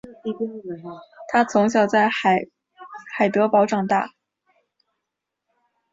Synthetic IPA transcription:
t̪ʰa˥t͡sʰʊ˧˥ŋɕ̬jɑ˨˩ʊt͡sa˥˩ɪ˨˩ | xa˨˩ɪt̪ɤ˧˥pɑ˧˥ʊʈ͡ʂɑ˨˩ŋt̪a̰˥˩

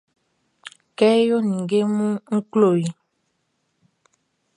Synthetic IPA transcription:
kɛ˦jo˦nĩ˨ŋɡe˦mũ˦ŋ̩˦klo˦˨ji˨

